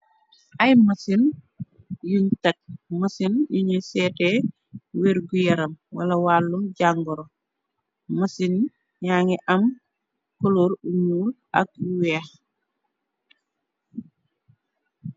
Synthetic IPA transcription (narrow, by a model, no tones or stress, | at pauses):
ʔɐjmɐsin | juɲtɐk̚mɐsinjuɲesɛːtɛ | weɾɡujɐɾɐmwɐlɐwaːlːumɟaŋɡɔɾo | mɐsin | ɲaːŋiʔɐm | koloɾuɲuːl | ʔɐ̰k̚uwɛːx